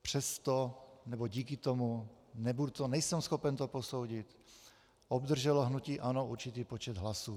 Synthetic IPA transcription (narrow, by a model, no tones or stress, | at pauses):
pr̝̥ɛst̪onɛboɟiːkɪt̪omu | nɛbudut̪onɛjsɛmsxopɛnt̪oposowɟit̪ | ʔobd̪r̩ʒɛloɦnuciːʔanouɾt͡ʃit̪iːpot͡ʃɛd̪ɦlasu